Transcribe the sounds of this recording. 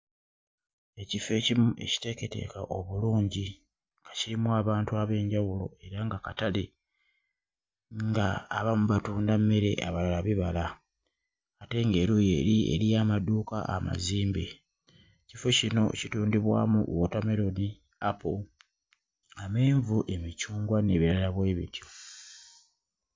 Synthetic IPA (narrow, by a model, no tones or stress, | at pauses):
e̞cife̞cimuʔe̞̰ci̥te̞ke̞te̞̰kaʔo̞βuluːɲɟi | ŋɡaciɾimuaβaːntuaβe̞ːɲɟawulo̞̰e̞ɾaŋɡakatale | ŋɡaːβamuβatuːndamːe̞ɾe̞̰ʔa̰βalalaβiβala | ate̞ŋɡe̞ɾuje̞̰ːɾiḛɾijaːmaduːka̰ʔa̰ma̰ziːmbe | cifocino̞̰cituːndiβwa̰ːmṵʔwotame̞ɾo̞ni | apo | ame̞ːɱvuʔe̞mit͡ʃuːŋɡwane̞βiɾalaβwe̞ːβḭtjo